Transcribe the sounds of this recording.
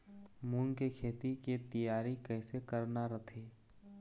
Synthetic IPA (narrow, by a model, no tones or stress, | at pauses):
muːnkekʰeːt̪iket̪əjaːɾikɛːsekəɾnaɾɐt̪ʰeː